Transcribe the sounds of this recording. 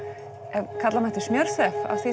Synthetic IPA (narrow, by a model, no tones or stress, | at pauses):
ɛðkʰat̪lamɛht̪ɪsmjœɾ̥sɛfa̰θi